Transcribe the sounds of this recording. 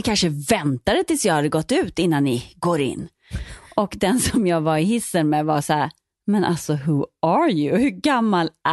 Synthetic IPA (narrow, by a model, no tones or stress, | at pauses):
ɪkʰanʂəvɛnt̪ad̪ət̪ʰɪlsjɑhad̪ːəɡɔt̪ːʉ̟ːt̪ɪnːanːɪɡoːɾɪ̰nː | ɔkd̪ɛnsɔmjɑːɡvaɾɪɦɪsːənmeːvasæːɾ | mɛnʔa̰lsɔɦʉaɾjʉhɵɡamːalæ